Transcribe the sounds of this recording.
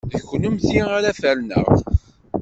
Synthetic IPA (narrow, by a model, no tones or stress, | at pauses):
ðçnəmθiaɾæfæɾnə̰ʁ